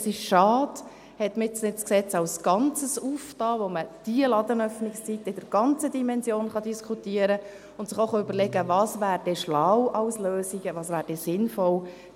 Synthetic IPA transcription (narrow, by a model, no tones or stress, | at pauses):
sɪʃʃɑːd | hɛtmɪsnɪt͡sksɛt͡sɑwsɡ̥ɑnt͡səsuːftɑːʋoməd̥iəlɑd̪ənœfnɪkst͡sitɪd̥əɾɡ̥ɑnt͡sədimɛnsjoːnχɑdiskʰutiəɾə | ʊnt̪sɪχoχoʏbəɾlɛɡəvɑːsvæːɾd̥ɛʃlawʔɑwsløːsiɡəʋɑːsʋæːɾd̥ɛsɪnfɔl